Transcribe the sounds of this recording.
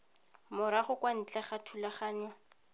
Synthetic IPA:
mʊɾaχʊkwan̩t͡ɬʼaχatʰulaχaːna

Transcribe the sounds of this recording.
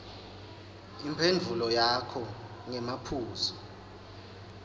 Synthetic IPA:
impʰendʱulɔjakʰɔ | ŋɛmapʰuːzɔ

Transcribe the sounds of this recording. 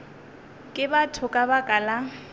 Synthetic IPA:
kʼɪbatʰʊkʼabakʼala

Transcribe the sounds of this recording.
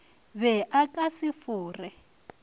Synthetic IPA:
βɛʔakʼasɪfuːrɛ

